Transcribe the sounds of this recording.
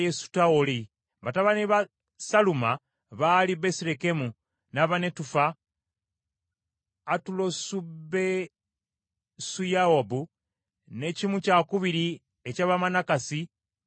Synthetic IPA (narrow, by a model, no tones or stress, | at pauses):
jesu̥taoli | bataβaniβa | saluma | βaliβe̞siɾekemu | naβane̞tufa | tulosube | sujaobu | ne̞cimucakuβiɾi | ecaβamanakasi